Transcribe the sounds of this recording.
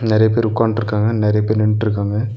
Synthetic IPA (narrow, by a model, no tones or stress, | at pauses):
nɪɾɐjɐp̬eːɾʊkːaːɳʈɪɾɯkːaːŋɡɐnɪɾɐjɐpeːɾnɪɳʈɪɾɯk̬ːaːŋɡɐ